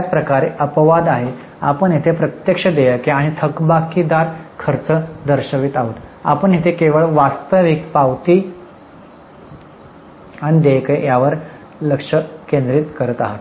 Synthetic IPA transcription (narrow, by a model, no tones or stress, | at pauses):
at͡spɾəkaɾeʔəpʋad̪aɦe | a̰pəɳɦet̪ʰepɾət̪jəkʂəd̪ejəkeaɽ̃it̪ʰəkbakid̪aɾkʰəɾt͡səd̪əɾɕəʋit̪aɦut̪a̰pəɳɦet̪ʰekeʋəɭʋast̪əʋikpaʋt̪iː | aɽ̃id̪ekejaʋəɾ | ləkʂəkẽnd̪ɾiːt̪kəɾət̪a̰ɦat̪